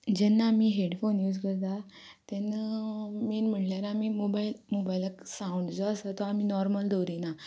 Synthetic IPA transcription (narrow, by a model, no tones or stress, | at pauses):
d͡ʑɛnːaːmiːɦeɽfonjuːd͡zkəɾt̪a | t̪ɛnːəmiːnm̤əɳʈljaɾaamimobailmobailəksãuɳɖd͡zɔəsat̪ɔamiːnɔɾməld̪owɾina